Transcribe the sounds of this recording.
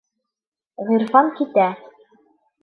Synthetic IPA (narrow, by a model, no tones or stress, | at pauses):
ʁĭɾfɑmkit̪æ